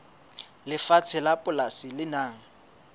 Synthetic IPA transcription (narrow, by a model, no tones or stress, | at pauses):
lɪfat͡sʰɪlapʼʊlasɪlɪnaːŋ̩